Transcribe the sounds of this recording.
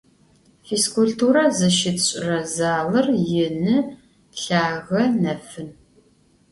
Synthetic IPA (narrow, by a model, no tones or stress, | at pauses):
fiskʰuɬtʰuːɾɐzɨʃɪtɕʼrɐzaːlɐrjɪnɨ | ɬaːɣɐnɐfɨn